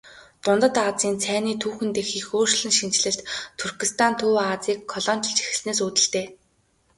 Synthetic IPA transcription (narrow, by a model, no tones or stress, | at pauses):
t̪ʊnt̪ə̆t̪at͡siːnt͡sʰæːniːt̪ʰuːxɘ̆nt̪exiːxoːr̥ʃɮɘ̆ŋʃint͡ɕɮɘ̆ɬt̪t̪ʰurxist̪ʰant̪ʰuːaːt͡siːkʰːɔɮɔːn̥ʲt͡ɕʰɞ̆ɮt͡ɕi̥xɘ̆sneːs̬uːt̪ɘ̆ɬt̪eː